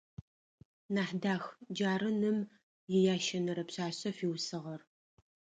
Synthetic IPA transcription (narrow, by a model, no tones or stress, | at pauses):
naːħdaːxd͡ʒaːɾɨnɨm | jɪjaːʃɐnɨɾɐpɕaːɕɐfiːwsɨʁɐr